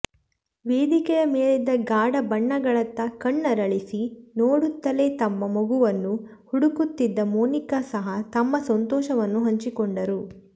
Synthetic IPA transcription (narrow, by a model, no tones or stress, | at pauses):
ʋeːd̪ikɛjɐmeːɭid̪ɐɡaːɽɐbɐɳːɐɡɐɭɐt̪ːɐkɐɳːɐɾɐɭisinoːɽut̪ːɐle̞ːt̪ɐmːɐmoɡuʋɐnːu | huɽukut̪ːid̪ːɐmuːnikasɐɦɐt̪ɐmːɐsɐnt̪ɔːʃɐʋɐnːuɦɐɲt͡ʃikɔɳɖɐɾu